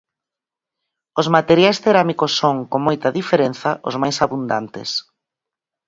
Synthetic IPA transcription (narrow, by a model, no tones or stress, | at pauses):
ozmat̪eɾjajsθeɾamikosːoŋkoŋmojt̪ɐðifeɾen̟θɐʔo̰zmajsaβund̪a̰nt̪ɪ̰s